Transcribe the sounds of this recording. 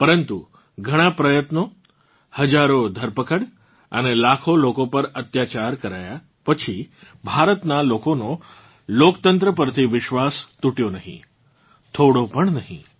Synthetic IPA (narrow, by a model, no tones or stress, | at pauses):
pəɾənt̪u | ɡʱəɽ̃apɾəjət̪no | həd͡ʑaɾod̪ʱəɾpəkəɽ | a̰ñelakʰolokõpəɾət̪jat͡ɕaɾkəɾaja | pət͡ɕʰi | bʱaɾət̪nalokono | lokt̪ənt̪ɾəpəɾt̪ʰiʋɪʃʋast̪uʈjonaɦḭ̃ | t̪ʰoɽopəɳnaɦḭ̃